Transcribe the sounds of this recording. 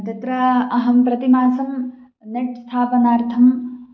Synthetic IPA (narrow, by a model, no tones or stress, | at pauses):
t̪ɐt̪ɾɐɐɦɐmpɾɐt̪imaːsɐm | neʈ̚st̪ʰaːpɐnaːɾt̪ʰɐm